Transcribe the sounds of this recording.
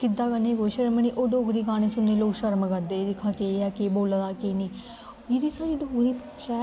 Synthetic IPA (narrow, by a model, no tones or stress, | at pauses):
kɪd̪aːkənːẽːɡoːʃəɾməñiːʔoːɖoːɡɾiːɡaːñeːsʊnːeːloːkʃəɾmkəɾd̪eːd̪ɪkʰːãːkeːɛːkeːboːlad̪aːkeːniː | d͡ʒiɾiːsaːɾiːɖʱoːɡɾiːpeʃaː